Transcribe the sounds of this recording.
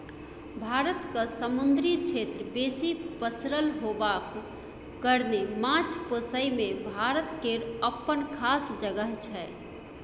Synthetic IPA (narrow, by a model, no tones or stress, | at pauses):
bʱaɾət̪kəsəmund̪ɾit͡ʃʰet̪ɾbesipəsɾəlɦobakː | əɾnemãt͡ʃʰpəsəjmebʱaɾət̪keɾəpːənkʰasd͡ʒəɡəɦt͡ʃʰɛ